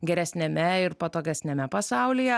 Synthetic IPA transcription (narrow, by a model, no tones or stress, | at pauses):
ɡʲɛɾʲɛsʲnʲɛmʲɛɪɾpɐt̪oːɡʲɛsʲnʲɛmʲɛpɐsɑˑʊlʲijɛ